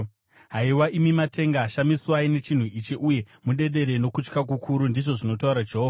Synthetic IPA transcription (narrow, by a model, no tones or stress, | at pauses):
ɦaiwaʔimimatʰe̞ŋɡaʃamiswaine̞t͡ʃin̤uit͡ʃeʔuje̞ | muɗe̞ɗe̞ɾe̞no̞kut͡ʃkak̬ukʰuɾundiʐo̞ʐino̞tauɾad͡ʒeɦova